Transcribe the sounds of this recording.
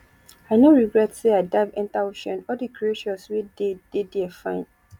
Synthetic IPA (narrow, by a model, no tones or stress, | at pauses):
aɪnõɹiɡɹɛtseadavɛ̃ntaoʃɛ̃nɔdikɹieʃɔ̃nsweded̥ediafãɪ̃n